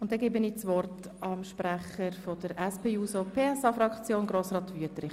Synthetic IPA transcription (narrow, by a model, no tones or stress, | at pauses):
ʊnt̚ːɛɡeːbəniːt͡sʋɔrt | ɑmʃpɾæχəɾfod̥əɾɛspʰeːuːsopʰeːɛsɑfɾɑkt͡sjoːnɡɾoːsrɑːt̪ʋyətɾɪ